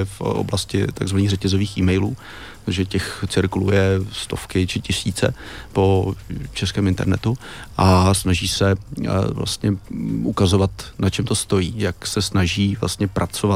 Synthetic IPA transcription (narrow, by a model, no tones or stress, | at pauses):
fʔo̰blascɪ̰t̪aɡzvaniːɣrɛcɛzo̞viːxʔiːmɛjluː | t̪aʒɛcɛxt͡sɪɾklṵjɛst̪o̞fkɪt͡ʃɪcɪsiːt͡sɛ̰po̞t͡ʃɛskɛːmɪnt̪ɛ̰ɾnɛt̪uʔasnaʒiːsɛvla̰st̪ɲɛʔukazo̞vat̪nat͡ʃɛmt̪o̞st̪o̞jiːjaksɛsnaʒiːvla̰st̪ɲɛpɾʔat͡sova